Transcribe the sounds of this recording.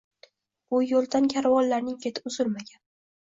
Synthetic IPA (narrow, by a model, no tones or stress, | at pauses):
bʊjolˠd̪ankʲʰaɾwɒllaɾnɪŋkʲʰe̞t̪ʰɪ̥ʊzʊlmaɡʲan